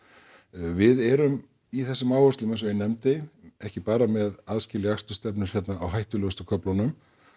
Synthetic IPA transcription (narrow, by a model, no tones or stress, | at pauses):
vɪðɛɾʏm | iθɛsːɪmaːwœɾst̪ʏmɛns̬œɪnɛmt̪ɪɛhcɪpaːɾamɛðaðscɪːlɪakst̪ʏst̪ɛpnɪɾ̥çɛt̪naːwɦajht̪ʏlœɣʏst̪ʏkʰœplanʏm